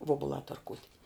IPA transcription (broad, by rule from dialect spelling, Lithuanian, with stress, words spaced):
ˈʋoːbʊlˠɑː tɐrˈkuːtʲ